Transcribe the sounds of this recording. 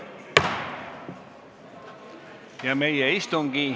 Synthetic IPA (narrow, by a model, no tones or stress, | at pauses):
jamejaist̪oŋɡĩ